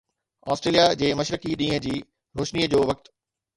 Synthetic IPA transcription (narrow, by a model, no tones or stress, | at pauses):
ɔ̰ːsʈɾeːlijad͡ʑeːmɐʃɾəkiɗĩːɦə̆d͡ʑiː | ɾoːʃniːəd͡ʑoːʋɐk̚t̪